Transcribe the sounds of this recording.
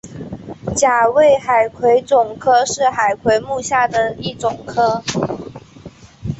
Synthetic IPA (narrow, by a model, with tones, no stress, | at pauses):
t͡ɕja˨˩we˥˩ɪxa˨˩ɪkʰwe˧˥ɪt͡sʊ˨˩ŋkʰɤ˥ʂɻ̩˥˩xa˨˩ɪkʰwe˧˥ɪmu˥˧ɕja˥˩d̪ə˩i˥˩t͡sʊ˨˩ŋkʰɤ˥